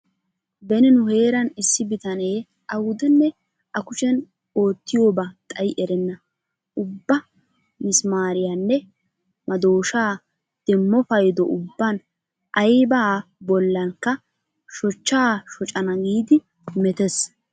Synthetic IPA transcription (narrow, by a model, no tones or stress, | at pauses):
bɛnɪnʊhe̞ːɾɐnɪsːɪbɪt̪ɐne̞ː | ʔɐwʊd̪ɛnːɛ | ʔɐkʊʃɛn | o̞ːt̪ːɪjo̞ːbɐt̪ʼɐjʔɛɾɛnːɐ | ʊbːɐ | mɪsmaːɾɪjanːɛ | mʔɐd̪o̞ːʃaː | d̪̥ɛmːɔfɐjd̪ɔʔʊbːɐn | ʔɐjbaːbɔlːɐŋkːɐ | ʃɔt͡ʃːaːʃɔt͡ʃʼɐnɐɡiːd̪ɪ | mɛt̪ɛs